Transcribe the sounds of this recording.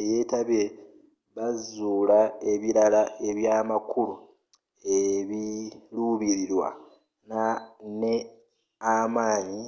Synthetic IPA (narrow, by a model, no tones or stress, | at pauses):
je̞ːtaβe | βazuːlae̞βiɾalae̞βjaːmakulu | eβiluβiɾiɾwa̰ | nane | amaːɲi